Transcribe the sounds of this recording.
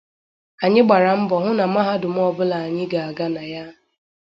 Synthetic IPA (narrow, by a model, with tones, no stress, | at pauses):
a˨ɲɪ˦ɡ͡ba˨ɾa˨m̩˦bɔ˨ɦʊ˦na˨ma˦ɦa˦dʊ˨m̩˦ɔ˦bʊ˦la˨a˨ɲɪ˦ɡa˨a˨ɡa˦na˨ja˦